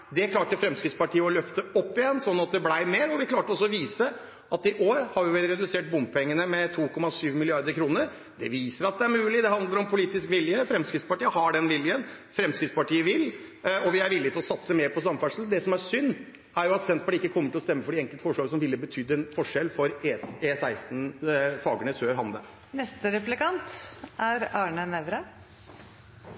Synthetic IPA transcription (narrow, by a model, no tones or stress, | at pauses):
d̪ɛkʰlɑːʈəfɾɛmskɾɪt̪spɑʈiːəɔlœft̪əɔpːɪjɛnːsɔnːɑt̪̚d̪ɛblæɪmeːɾɔʋɪkʰlɑːʈəɔsɔɔʋiːsə | ɑt̪ɪʔoːɾhɑɾʋjɪʋɛlɾɛd̪ʉseːʈ̚bʊmpʰɛŋːənəmɛt̪ʰuːkʰɔmːɑsyːʋmɪlɪɑɾd̪əɾkʰɾuːnəɾ | d̪ɛ̰ʋiːsəɾɑt̪̚d̪ɛæɾmʉːlɪd̪ɛɦɑnd̪ləɾɔmpʰʊliːt̪ɪskʋɪljəfɾɛmskɾɪt̪spɑʈiːəhɑɖɛnʋɪljən | fɾɛmskɾɪt̪spɑʈiːəʋɪlɔʋɪæɾʋɪlːɪt̪ʰɪlɔsɑt̪səmeːɾpʰɔs̬ɑmːfæʂəl̩d̪ɛsɔmæɾsʏnː | æɾjʊɑt̪sɛnt̪̚bɑʈɪkːəkʰɔmːəʈʰɪlɔst̪ɛmːəfɔɖɛɛŋkəlt̪fɔʂɭɑːɡəsɔmʋɪlːəbət̪ʰʏd̪ːəɛnfɔʂɛlfɔɾeesæɪst̪n̩fɑːɡəɳəsøːɾɦɑnd̪ə̰ | nɛst̪əɾɛplɪkɑnt̪æɾɑːɳənɛʋɾə